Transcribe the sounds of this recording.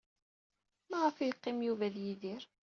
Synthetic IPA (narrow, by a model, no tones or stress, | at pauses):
mæʁəfijqːɪmjuvæðjiðɪɾ